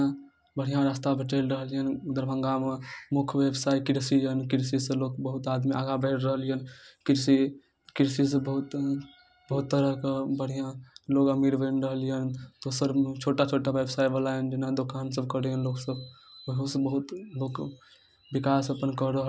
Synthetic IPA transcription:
a | bəɽ̤ijãɾast̪abʱəʈəlɾəɦəlijənd̪əɾbʱəŋɡamemukʰʋebsaːikiɾsijənkiɾsisə̃loːkbəɦut̪ad̪miʔa̰ɡabəʈɾəɦəlijənkiɾsi | kiɾsisə̃bəɦut̪ | bəɦut̪ːəɾəɦkebəɽ̤ijãlokəmiɾbənɾəɦəlijənd̪osəɾt͡ʃʰoʈat͡ʃʰoʈaʋebsaːibəlajənd͡ʒɪnad̪okansəbkəɽijənloːɡsəbbəɦusbəɦut̪loːk | bikasəpənkɔɾəɦ

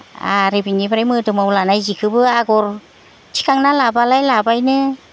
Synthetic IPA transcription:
a̰ɾibiɲibaɾajmɯtɯmawlanajzikʰɯbɯaɡɔɾ | tʰi̥kaŋnalabalajlabajnɯ

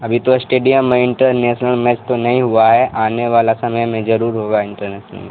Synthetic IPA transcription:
ɐbʱit̪osʈeːɖijəmːẽɪɳʈəɾneːʃnəlmɛt͡ʃt̪onɐɦĩɦʊaɦɛʔaːneʋaːlasɐməjmẽd͡ʒɐɾuːɾɦoːɡaɪ̃ɳʈəɾneːʃnə̰lmḛ̃

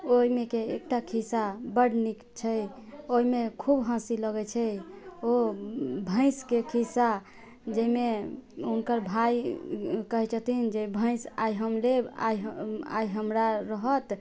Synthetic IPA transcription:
oimekeek̚ʈakʰisabəɽnikt͡ʃʰɛ | oimekʰubɦãsiləɡɛt͡ʃʰɛobʱə̃ɪ̃skekʰisa | d͡ʒəimeunkəɾbʱaj | kəɦɛt͡ʃʰət̪ind͡ʒebʱə̃ɪ̃saiɦəmlea̰jɦa̰iɦəmɾaɾəɦət̪

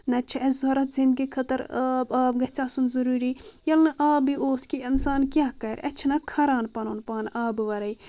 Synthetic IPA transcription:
nɐt͡ʃʰɐzoɾɐt̪zĩnd̪̚ɡikʰɐt̪ɐɾbaːbɡɐt͡ʃʰaːsunzɐɾuːɾijɐlnɐʔaːbioːskiinsaːnkʲjaːkɐɾʲɐ̰t͡ʃʰnɐkʰɐɾaːnpɐnoːnpaːnaːbɨʋɐɾɐj

